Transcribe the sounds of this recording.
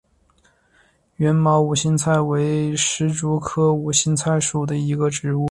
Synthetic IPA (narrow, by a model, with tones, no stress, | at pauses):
ɥɛ˧˥nmɑ˧˥ʊu˨˩ɕi˥nt͡sʰa˥˩ɪwe˧˥ɪʂɻ̩˧˥ʈ͡ʂu˧˥kʰɤ˥u˨˩ɕi˥nt͡sʰa˥˩ɪʂu˨˩d̪ə˦i˧˥ɡə˧ʈ͡ʂɻ̩˧˥u˥˩